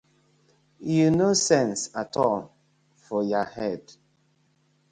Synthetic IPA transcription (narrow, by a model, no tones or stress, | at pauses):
junosɛ̃nsatʰɔl | fɔjahɛd̥